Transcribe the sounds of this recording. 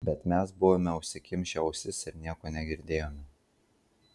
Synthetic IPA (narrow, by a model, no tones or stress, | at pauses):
bʲɛt̪mʲɛsbʊʋoːmʲɛʊʃʲsʲɪkʲɪmʲʃʲɛʊsʲɪsɪɾnʲiɛkoːnʲɛɡʲɪɾʲd̪ʲeːjoːmʲɛ